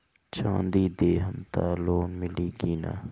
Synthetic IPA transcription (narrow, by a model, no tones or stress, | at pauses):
t͡ʃãːnd̪iːd̪eːɦəmt̪aːloːnmɪliːɡiːna̰